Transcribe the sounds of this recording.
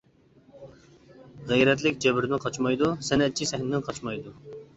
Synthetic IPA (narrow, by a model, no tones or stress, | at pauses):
ʁɛjɾɛt̪̬lɪk̚ʲd͡ʒɛbɪɾɪnɪqʰɑt͡ʃmɑjd̪usɛnɛt̪̚t͡ʃʰisɛhnɪnɪqʰɑt͡ʃmɑjd̪u